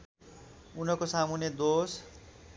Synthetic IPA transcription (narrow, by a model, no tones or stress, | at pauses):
unʌkosamunjʌd̪os